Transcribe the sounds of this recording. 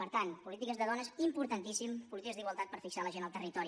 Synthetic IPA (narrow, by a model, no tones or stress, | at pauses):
pəɾt̪anpulit̪ikəzðəðɔnəzimpuɾt̪ənt̪isimpulit̪iəzðiɣwəlˠt̪at̪̚pəɾfiksaləʒenəlˠt̪ərit̪ɔɾi